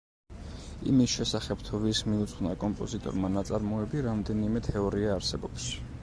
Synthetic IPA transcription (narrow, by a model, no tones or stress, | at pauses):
ḭmisʃɛsaχɛb̥t̪ʰuviɾsmiut̪sʼχnakʼɔmpʼɔzit̪ʼɔ̰ɾmanat̪sʼaɾmɔɛbiɾamd̪ɛnimɛt̪ʰɛɔɾiaːɾsɛbɔps